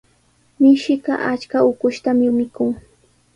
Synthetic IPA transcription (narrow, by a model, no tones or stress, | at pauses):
mɪʃɪɢɑ̰ʔat͡ʃkaʊkʊʃt̪amɪmɪkʊŋ